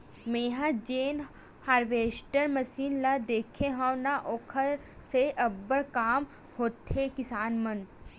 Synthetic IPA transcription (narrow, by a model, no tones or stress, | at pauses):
meːɦãd͡ʒeːn | haːɾʋeːsʈəɾmɐsiːnlad̪eːkʰeɦãnaʔoːkʰəɾ | seʔɐbːəɭkaːm | hoːt̪ːekɪsaːnmɐn